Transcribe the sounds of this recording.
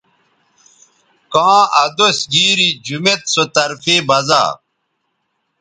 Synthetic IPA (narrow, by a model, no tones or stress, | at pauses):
kãːɐd̪osɡiːɾid͡ʑumet̪sot̪ɐɾfibɐza̰ː